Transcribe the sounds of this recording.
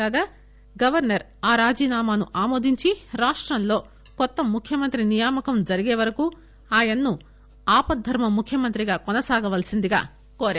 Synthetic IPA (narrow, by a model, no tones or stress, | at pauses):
aːɡaː | ɡɐʋɐɾnɐɾ | aːɾaːd͡ʒiːnaːmaːnuʔaːmoːd̪iɲt͡ʃiɾaːʂʈɾɐnlo̞ː | kɔt̪ːɐmːukʰjɐmɐnt̪ɾinijaːmɐkɐmd͡ʒɐɾiɡeːʋɐɾɐkuː | aːjɐnːu | aːpɐd̪ʱːɐɾmɐmukʰjɐmɐnt̪ɾiɡaːkɔnɐsaːɡɐʋɐlɐsind̪iɡa̰ː | koːɾaː